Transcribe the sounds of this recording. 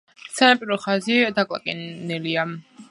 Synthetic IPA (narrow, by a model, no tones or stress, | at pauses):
sanapʼiɾɔχazid̪akʼlˠa̰kʼɛnɛlia